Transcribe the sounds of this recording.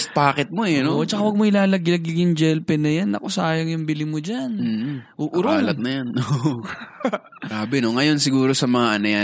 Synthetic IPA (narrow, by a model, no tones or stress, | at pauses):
st̪̚paːkɛt̪̚moɛnʔot͡ʃɐkawɐɡ̚moʔɪlaːlɐɡɪɐɡɪŋjʊŋd͡ʒɛlpɛnɐjanʔɐ̰kosaːjɐŋjʊŋbɪlɪmod͡ʒan̩ːʔuʔʊɾoaːlɐt̪̚nɐjano | ɾaːbɛno̞ŋɐjo̞nsɪɡuːɾo̞sɐmɐŋaʔɐnɐja